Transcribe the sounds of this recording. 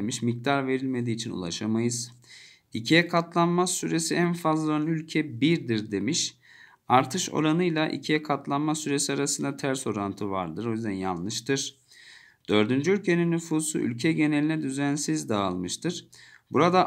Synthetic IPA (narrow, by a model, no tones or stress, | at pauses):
miʃmic̚d̪aɾve̞ɾilʲme̞d̪iːt͡ʃʰinṵlˠa̰ʃamajɯz | icʰijɛkʰat̪lˠanmasyɾe̞siænfazlˠaønylʲcʰɛbiɾd̪iɾd̪e̞miʃ | aɾt̪ʰɯʃo̞̰ɾanɯjlˠaʔḭcʰijɛkʰat̪lˠanmasyɾe̞siaɾasɯnd̪at̪ʰæɾso̞ɾant̪ʰɯva̰ɾd̪ɯɾo̞jyzd̪ænja̰nːˠɯʃt̪ʰɯɾ̥ | d̪̥ø̞ɾd̪ynd͡ʒyylʲcʰe̞ninːyfuːsṵʔy̰lʲcʰɛɟe̞nelʲinɛd̪yzænsizd̪aːlˠmɯʃt̪ʰɯɾ̥ | buɾad̪a